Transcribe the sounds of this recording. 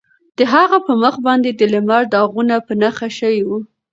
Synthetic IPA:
d̪̥əɦaɣapəməxbɑnd̪ed̪əlɪmɑɾd̪ɑɣunapənaxaʃəwiwu

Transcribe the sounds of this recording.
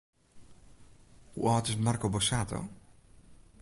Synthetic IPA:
hṵʔɔːt̪ɪsmarkobɔsaːt̪ʰo̰

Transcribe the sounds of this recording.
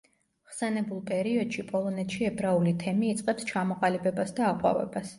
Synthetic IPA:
ʁsɛnɛbulˠpʼɛɾiɔd̪̥ʃipʼɔlˠɔnɛt̪ʃiɛbɾaulit̪ʰɛmiːt̪sʼqʼɛpst͡ʃʰamɔqʼalibɛbasd̪aːqʼwa̰vɛ̰bas

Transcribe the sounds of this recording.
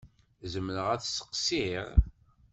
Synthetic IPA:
zəmnəʁæθsə̥qsiɾ

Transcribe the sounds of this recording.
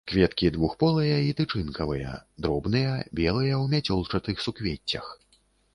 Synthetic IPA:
kvʲɛt̪kʲid̪vuxpɔlˠɐjɐit̪ɨt͡ʂɨnkɐvɨjɐ̰d̪ɾɔbn̪ɨjɐbʲɛlˠɨjɐwmʲat͡sʲɔlˠt͡ʂɐt̪ɨxsukvʲet͡sʲːɐ̰x

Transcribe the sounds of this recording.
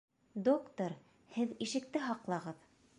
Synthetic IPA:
d̪okt̪oɾ | hɘðiʃɘ̆k̚t̪ɘɦɑqlˠɑʁɤð

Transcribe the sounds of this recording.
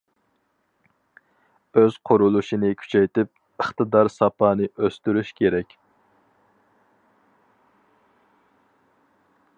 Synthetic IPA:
øz̥qʰʊɾulˠuʃinɪkʲʰy̥t͡ʃʰɛjt̪ɪp̚ | əχt̪ɨd̪ɑɾsɑpʰɑːnɨʔøst̪yɾyʃkʲʰeɾɛkʲ

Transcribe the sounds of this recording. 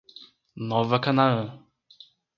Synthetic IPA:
nɔvɐkanaə̃

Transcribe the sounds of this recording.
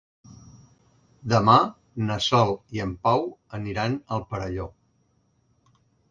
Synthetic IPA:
d̪əma | nəsɔlˠiəmpawəniɾanəlˠpəɾəʎo

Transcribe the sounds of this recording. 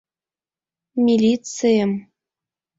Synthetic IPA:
mʲilʲit͡sɨjəm

